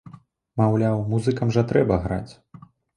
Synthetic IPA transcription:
mawlʲawmuzɨkɐmʐɐt̪ɾɛbɐɣɾa̰t͡sʲ

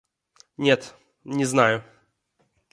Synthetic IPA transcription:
nʲɛt̪ | nʲɛznajʊ

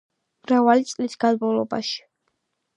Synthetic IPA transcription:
mɾavalit̪sʼlisɡ̥ad̪bɔlˠɔba̰ʃi̥

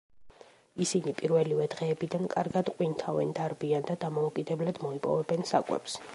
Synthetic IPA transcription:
isinipʼiɾvɛlivɛd̪ʁɛːbid̪ankʼaɾɡad̪qʼwint̪ʰavɛ̰nd̪aɾbiand̪ad̪amɔukʼid̪ɛblad̪̥mɔipʼɔ̰vɛbɛnsakʼwɛ̰ps

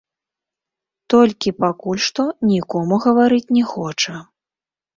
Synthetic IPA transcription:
t̪ɔlʲkʲipakulʲʂt̪ɔnʲikɔmuɣɐvaɾɨt͡sʲnʲɛxɔt͡ʂɐ

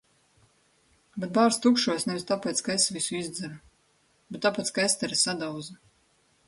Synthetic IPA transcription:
bet̪̚baːɾst̪ukʃuɔsnɛvist̪apʲɛːt̪skaesvisuizd̪zɛɾu | bet̪ːapɛːt̪skaest̪ɛɾɛsad̪awza

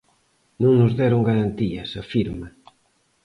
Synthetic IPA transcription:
nõŋnʊzðɛɾoŋɡaɾant̪iɐsɐfiɾmɐ

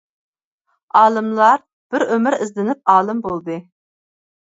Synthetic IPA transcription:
ɑːlˠɨmlˠɑɾ | b̥ɪɾømɪɾɪzlɪnɪp̚ɑːlˠɨmbolˠd̪ɨ

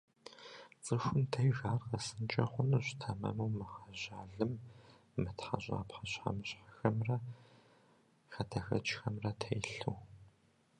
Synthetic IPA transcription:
t͡sʼɨxʷʊmtʰɐjɣaːrqɐsɨnt͡ʃʼɐχʷʊnɨɕʷtʰɐmɐ̰mɐwmɨχɐʑaːɮɨmː | ɨtħaʑʼa̰ːpħɐɕħa̰mɨɕħḁxɐmrɐ | xɐtʰɐxɐ̰t͡ʃxɐmrɐtʰɐjɬuw

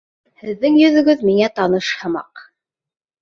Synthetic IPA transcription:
hɘ̆ðːɘŋjɵ̆ðɵ̆ɡɵðmiŋæt̪ɑnɤʃhɤ̆mɑ̰q

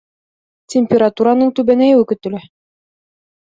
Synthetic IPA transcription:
tʲemʲpʲeɾat̪uɾanɤɴt̪ʉβænæjɘʉkɵ̆t̪ɵ̆læ

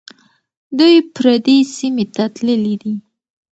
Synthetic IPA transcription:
d̪ujpɾad̪esimet̪at̪ləlid̪i

